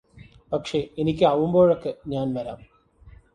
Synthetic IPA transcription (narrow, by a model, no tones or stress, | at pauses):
pɐkʂe̞enikʲːɨaːʋumbo̞ːɻokːɨɲaːnʋɐɾa̰ːm